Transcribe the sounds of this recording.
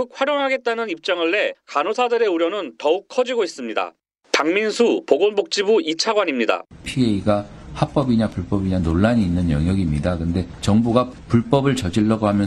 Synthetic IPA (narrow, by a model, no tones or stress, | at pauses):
uk̚ɸwaɾjoŋɦaɡe̞t̚t͈anɯnip̚t͡ɕ͈ʌŋɯɭːe̞kanosʰadɯɾe̞uɾjonɯntʌuk̚kʰːʌd͡ʑiɡois͈ɯmɲida̰ | paŋminsʰupoɡonbok̚t͡ɕ͈ibuit͡ɕʰaɡwaɲimɲida̰pʰieiɡahap͈ʌbiɲapuɭp͈ʌbiɲanoɭːaɲiːnːɯnjʌŋjʌɡimɲidakɯnde̞t͡ɕʌŋbuɡapuɭp͈ʌbɯɭt͡ɕʌd͡ʑiɭːʌɡohamjʌ